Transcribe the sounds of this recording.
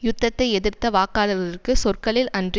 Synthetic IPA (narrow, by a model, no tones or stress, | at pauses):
jʊt̪ːɐt̪ːɐɪɛðɯrt̪ːɐʋaːkaːlɐðɐðɪrkɯsɔrkɐɭɪlɐndr